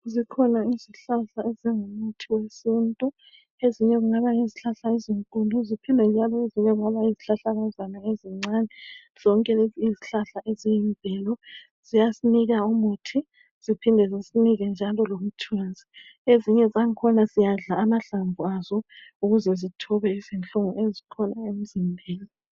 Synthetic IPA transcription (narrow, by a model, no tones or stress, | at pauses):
zikʰɔnaiziɬaɬaeziŋumutʰiwesintʼu | eziɲɛɣuŋaβaŋeziɬaɬaiziŋkuluzipʰindʱɛnd͡ʒʱalɔeziɲɛɣuŋaβaiziɬaɬaɣazanaeziŋ͡ǀaːnɛ | z̥ɔŋkʼɛiziɬaɬaezijimbʱɛlɔ | z̥ijasiniɣaumutʰi | z̥ipʰindʱɛzisiniɣɛnd͡ʒʱalɔlom̩tʰiwanzʱieziɲɛzaŋkʰɔnazijaɮaːmaɬaɱvʱuazɔuɣuzɛzitʰɔβɛizint͡ɬʼɔŋɔezikʰɔnaem̩zimbʱiːli